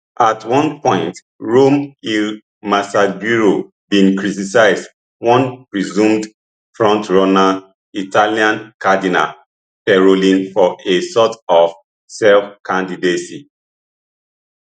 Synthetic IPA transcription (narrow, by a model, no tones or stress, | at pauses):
ʔatwɔ̃npɔ̃ɪ̃nt | ɹomil | masaɡuɹo | bĩnkɹitisaɪzd | wɔ̃npɹizũmd | fɹɔ̃ntɹɔna | itʰaliãnkadina̰l | pɛɹolĩnfɔʔesɔtɔf | sɛlfkʰãndidesḭ